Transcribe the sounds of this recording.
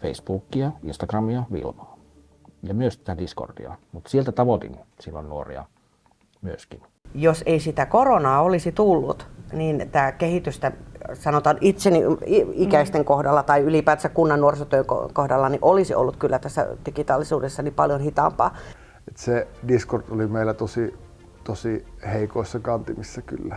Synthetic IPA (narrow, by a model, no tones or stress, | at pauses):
feisb̥uːkːiɑḭnst̪ɑɡrɑmiɑʋḭlmɑː | jɑmyøst̪i̥t̪ædisko̰rd̪̥ḭɑ̰mut̪sielt̪æt̪ɑʋot̪ḭnsilːo̰nnuo̰rḭɑ̰ | myøskin | joseisit̪ækoronɑːolisit̪ulːṵt̪niːnt̪æːkehit̪yst̪æsɑnot̪ɑnʔit̪seniiikæist̪eŋkohdɑlːɑt̪ɑiylipæːt̪sækkunːɑnːuorsot̪øiŋko̰kohdɑlːɑniʔolisiʔo̰lːut̪kylːæt̪æsːæ̰d̥ikit̪ɑːlːisuːdesːɑnipɑljonhit̪ɑ̰mpɑ̰ː | et̪sediskort̪olimeˑilæt̪osi | t̪osiheˑikoˑisːɑkɑnt̪imisːɑkylːæ